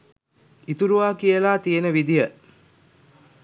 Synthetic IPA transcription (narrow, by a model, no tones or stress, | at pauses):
it̪uɾuʋaːkijəlaːt̪ijenəʋid̪ijə